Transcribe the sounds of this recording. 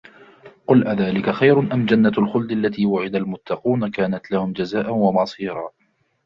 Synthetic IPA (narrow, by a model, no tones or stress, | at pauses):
qʊlʔaðaːlɪkaxajɾʊnʔamd͡ʒanːaalxʊld̪alːat̪iːwʊʕɪd̪almʊt̪ːɑquːnakaːnat̪lahʊmd͡ʒazaːʔanwamɑsˤiːɾˤɑː